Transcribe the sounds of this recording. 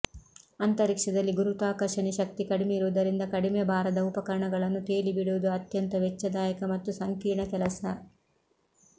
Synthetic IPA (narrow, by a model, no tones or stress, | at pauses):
ɐnt̪ɐɾikʂɐd̪ɐlːiɡuɾut̪aːkɐɾʂɐɳiʃɐk̚t̪ikɐɽimeiɾuʋd̪ɐɾind̪ɐkɐɽimebʱaːɾɐd̪ɐupɐkɐɾɐɳɐɡɐɭɐnːut̪eːlibiɽuʋud̪uɐt̪jɐnt̪ɐʋɛt͡ʃːɐd̪aːjɐkɐmɐt̪ːusɐŋkiːɾɳɐkɛlɐsɐ